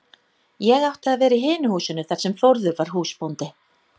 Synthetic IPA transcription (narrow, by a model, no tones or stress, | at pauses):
jɛɣawht̪ɪaðvɛːɾɪɦɪːnʏhuːsʏnʏθaɾ̥sɛmflowɾðʏɾvaɾ̥ɦuːspownt̪ɪ